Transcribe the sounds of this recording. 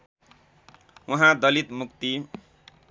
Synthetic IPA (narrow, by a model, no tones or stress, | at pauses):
wuɦãd̪ʌlit̪mukt̪i